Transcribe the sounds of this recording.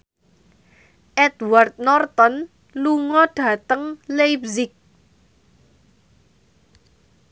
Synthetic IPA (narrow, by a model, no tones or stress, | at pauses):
ʔɛt̪wart̪̚nɔrt̪ɔn | luŋɔɖ̥ä̤t̪əŋlejpsɪk̚